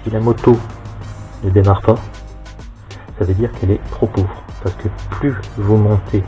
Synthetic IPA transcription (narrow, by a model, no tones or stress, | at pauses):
silamɔt̪o | nəd̪emaʁpa | savød̪iʁkɛlɛt̪χopoːvʁpaʁsə̥kəplyvumɔ̃t̪ʰe